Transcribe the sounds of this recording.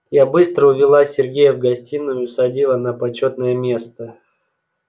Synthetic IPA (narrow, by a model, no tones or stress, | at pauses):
jabɨst̪ɾəʊvʲɪlˠasʲɪrɡʲejəvɡɐsʲtʲinːʊjʊsɐdʲilˠənəpɐt͡ɕot̪nəjəmʲe̞st̪ə